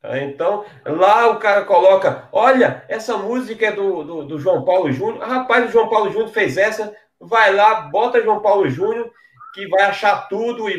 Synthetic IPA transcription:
ẽt̪ɐ̃w̃ | laʊkaɾɐkolɔkɐɔʎɐɛsɐmuzikɐɛd̪ʊd̪ʊd̪ʊʒwɐ̃w̃pawlʊʒũnjʊhapajzʊʒwɐ̃w̃pawlʊʒũnʊɾfejzɛsɐ | vajlabɔt̪ɐʒwɐ̃w̃pawlʊʒũɲʊ | kɪvajaʃat̪ud̪ʊɪ

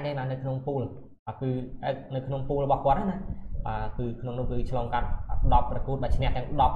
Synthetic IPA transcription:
naːŋɗaːnɨwkʰnoŋpuːl | ɓaːkɨːanɨwkʰnoŋpuːlrɔɓɑhkŏət̪̚ʔaːnahɓaːkɨːkʰnoŋnʊ̆əhkɨːt͡ɕʰlɔːŋkat̪̚ːɗɑpːrɑkŭət̪̚ɓaːt͡ɕʰnɛ̆əht̪ɛ̆əŋɗɑp̚

